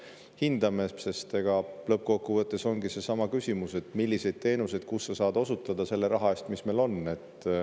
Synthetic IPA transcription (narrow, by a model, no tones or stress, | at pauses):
hind̪̥ɑmese̞st̪e̞ɡ̥ɑlɤp̚ːˑko̞kːuvɤt̪ˑːe̞so̞ŋɡise̞sɑmɑkysʲimuse̞t̪ˑmilːise̞jd̪̥̚t̪e̞ːnuse̞jd̪̥̚kusːɑsɑːd̪̥o̞sut̪ːˑɑd̪̥ɑse̞lːe̞ɾɑɦɑe̞st̪misme̞lo̞nːe̞t̪ːˑ